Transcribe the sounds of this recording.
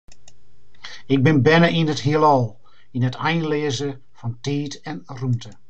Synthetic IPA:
ɪk̚bɪnbɛnəʔinəthiəlˠɔlˠ | inətʰɛjnleːəzə | fɔntiːtɛnrumtʰə

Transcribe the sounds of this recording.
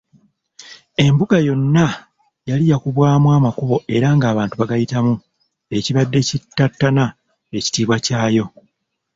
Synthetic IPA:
e̞mbuɡajo̞nːa | jalijakuβwaːmuwaːmakuβo̞ʔe̞ɾaŋɡaːβaːntuβaɡajitamu | e̞ciβadːe̞citːatːana | e̞ci̥tiːβwacaːjo̞

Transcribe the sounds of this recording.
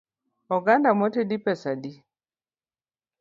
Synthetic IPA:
ɔɡandamɔtedipɛsadi

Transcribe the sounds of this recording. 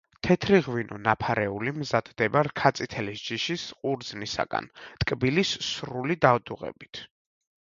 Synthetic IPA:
t̪ʰɛt̪ʰɾiʁwinʔɔ̰napʰaɾɛulimzad̪d̪ɛbaɾkʰat̪sʼit̪ʰɛlisd͡ʒiʃisqʼuɾd̪znisa̰ɡa̰nt̪ʼkʼbilisːɾulid̪avd̪uʁɛ̰bit̪ʰ

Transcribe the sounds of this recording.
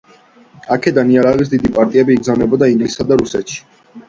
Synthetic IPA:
akʰɛd̪aniaɾavis̬d̪id̪ipʼaɾt̪ʼiɛbiːɡzamɛbɔd̪aiŋɡlisːad̪aɾusɛt̪ʃi̥

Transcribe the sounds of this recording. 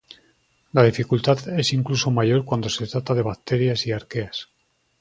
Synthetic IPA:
lað̞ifikult̪aðe̞siŋkluso̞maʝo̞ɾkwand̪o̞set̪ɾat̪að̞e̞β̞ak̚t̪e̞ɾjasiaɾke̞as

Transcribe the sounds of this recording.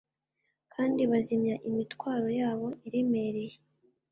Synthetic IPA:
kʰaːndiβazimɲaʔimitkwaːɾo̞jaːβo̞iɾimeɾeje

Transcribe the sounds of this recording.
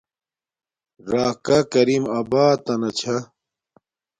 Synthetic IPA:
ɾaːkɐkɐɾimɐbaːt̪ɐnɐt͡ɕʰɐ

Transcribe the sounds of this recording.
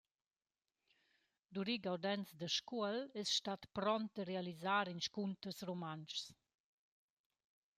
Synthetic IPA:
d̪uɾiɡawd̪ɛnsd̪əʃkuəlɛsʃt̪at̪pɾɔnt̪̚d̪əɾealizaɾinʃkunt̪əsromant͡ʃs

